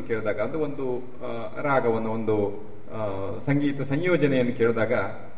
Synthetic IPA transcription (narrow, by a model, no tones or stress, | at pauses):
ukeːɭud̪aːɡɐɐneo̞nd̪u | ɾaːɡɐʋɐnːuond̪u | sɐŋɡiːt̪ɐsɐɲjɔːd͡ʒɐnɛjɐnːukeːɭud̪aːɡɐ